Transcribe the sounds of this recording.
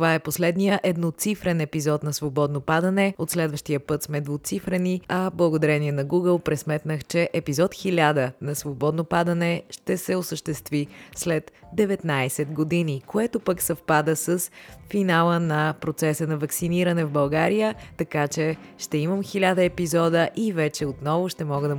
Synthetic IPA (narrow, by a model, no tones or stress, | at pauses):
t̪ovaɛposlɛd̪nijəʔɛd̪not̪sifɾɛnɛpizɔt̪nɐsvobɔd̪nopad̪ənɛot̪slɛd̪vəʃt̪ijəpɤt̪smɛd̪vʊt̪sifɾɛniɐblˠəɡod̪ɐɾɛniɛnɐɡuɡəlˠpɾɛsmɛt̪nəxt͡ʃɛʔɛpizɔt̪xilʲad̪ənɐsvobɔd̪nopad̪ənɛʃt̪ɛsɛosəʃt̪ɛst̪vislɛt̪d̪ɛvɛt̪najsɛt̪ɡod̪inikoɛt̪opəksɐfpad̪əsəsfinalˠənɐpɾot̪sɛsənɐvɐksiniɾənɛvbɐlˠɡaɾijət̪ɐkat͡ʃɛʃt̪ɛiməmxilʲad̪əɛpizɔd̪əʔivɛt͡ʃɛot̪nɔvʊʃt̪ɛmɔɡəd̪ə